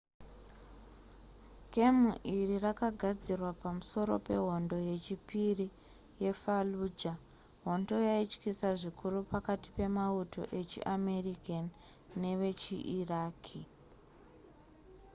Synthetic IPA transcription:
kemuʔirirakaɡʱad͡zirwapamuso̞ɾo̞̰pe̞ɦo̞ndo̞je̞t͡ʃipiri | je̞faluːd͡ʒa | ɦo̞ndo̞jait͡ʃkisaʐikʰurupakati̥pe̞mauto̞̰ʔe̞t͡ʃḭʔame̞rikanː | e̞ʋe̞t͡ʃḭʔiraːkʰi

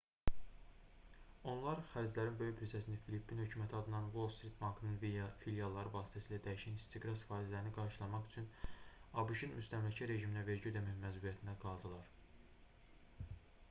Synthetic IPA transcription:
o̞nlˠɑɾχæɾd͡ʒlæɾinbø̞jybʰiɾsæsinæfilipʰːinhø̞cʰyːmæt̪ʰiɑd̪ɯnɑnvo̞lˠst̪ɾit̪̚bɑŋkʰɯnɯnfiljɑlˠːɑɾɯvɑːsi̥t̪ʰæsiːlæd̪æjiʃænist̪ʰiɡɾɑsfɑːizlæɾiniɡɑɾʃɯlˠɑmɑχyt͡ʃʰynɑbuʃinmyst̪æmlæcʰæɾe̞ʒiminæve̞ɾɟiød̪æmæmːæzbuɾijæt̪ʰind̪æɡɑlˠd̪ɯlˠɑɾ

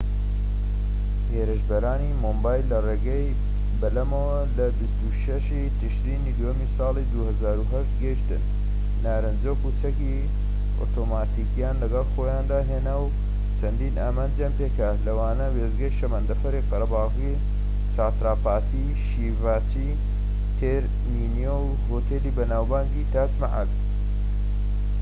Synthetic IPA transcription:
heːɾɨʃbɐɾaːnimombaːjlːɐreːɡɐj | bɐlɐmɐwɐlɐbist̪uʃɐʃit̪ɨʃɾiːnid̪omisɑːlˠid̪uhɐzaːɾuɦɐʃt̪ɡɐiʃt̪ɨnː | aːɾɨnd͡zoːkut͡sʰɐki | o̰t̪ʰoːmaːt̪ikijaːnlɐɡɐlˠxoːjaːnd̪aːɦeːnaw | t͡sʰɐnd̪iːnaːmaːnd͡ʒjaːnpeːkalɐwaːnɐweːzɡɐjʃɐmɐnd̪ɐfɐɾiqɐɾɐbɑːɣi | t͡sʰaːt̪ɾaːpaːt̪ʰi | ʃiːvaːt͡ʃi | t̪ʰeɾ | minjow | hoːt̪ʰeːliːbɐnaːwbaːŋɡiːt̪aːt͡smaʕa̰d̪

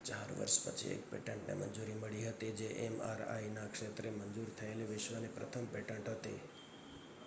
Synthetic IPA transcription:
t͡ʃaɾʋə̰ɾʃpət͡ʃʰḭḛk̚pḛʈəɳʈnḛmə̰nd͡ʒuɾiməɭiɦət̪ed͡ʒeʔema̰ɾa̰inakʃet̪ɾemənd͡ʒuɾt̪ʰəeleʋɪʃʋənepɾət̪ʰəmpeʈəɳʈɦət̪ḛ

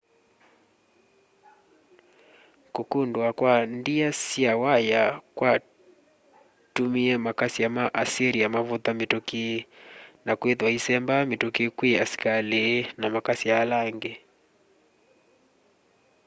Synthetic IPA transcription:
kukundwakwandiasiawajakwa | tumiɛmakasijamaʔasiɾijamavut̪amituki | nakweðwahisɛmbamitukikwiasi̥kalinamakasijalaŋɡɛ

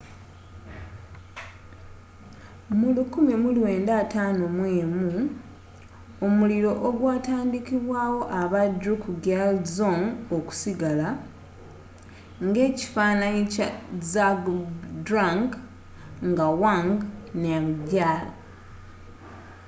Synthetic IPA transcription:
mulukumimulwe̞ːndaːtaːnomweːmu | omuliɾo̞ʔoɡwaːtaːndikiβwaːwo̞ʔaβadɾukuɡalzoŋoku̥siɡala | ŋɡe̞ːci̥faːnaɲicazaɡdɾaŋɡ | ŋɡawaŋɡnaɡaːlo

